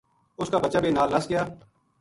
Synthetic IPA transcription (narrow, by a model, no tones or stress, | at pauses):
ʊskaːbət͡ʃaːbeːnaːlnəsɡɪjaː